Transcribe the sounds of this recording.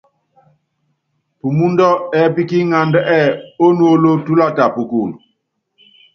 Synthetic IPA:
pu˨mu˦ndɔ˦ɛ˨˦pi˦ki˦ŋa˨ndɛ˦ʔɛ˦˨o˦nu˦o˦lo˦tu˦la˦ta˨pu˨ku˨l

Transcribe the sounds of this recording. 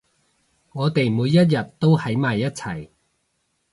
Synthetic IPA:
ŋɔː˨˧t̪e˨jmuː˨˧jːɐ˥t̬̚jɐ˨tt̪o˥whɐ˨˥jmaː˨˩jːɐ˥t̚t͡sʰɐ˨˩j

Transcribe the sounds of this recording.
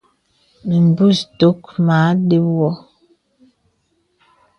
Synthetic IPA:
mi˨m˨bu˦˨sto˨˦kma˨˦de˦wɔ˦

